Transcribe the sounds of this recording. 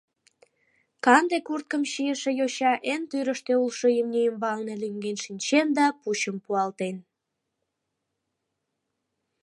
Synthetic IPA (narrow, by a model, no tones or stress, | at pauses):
kɑnd̪ekurt̪̚kəmɕijəʃejoɕɑʔent̪yɾəʃt̪eulʃojəmnijəmβɑlnelyŋɡenʃinʲt͡ɕend̪ɑput͡ɕəmpuɑlt̪en